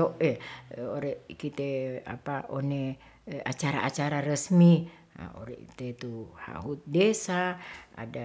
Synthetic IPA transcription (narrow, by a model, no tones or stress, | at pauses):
oʔeoɾɛʔkit̪ea̰paone | at͡ʃaɾaʔat͡ʃaɾaɾəsmi | a̰o̰ɾɛ̰ʔt̪et̪uha̰ɦut̪̚desaa̰da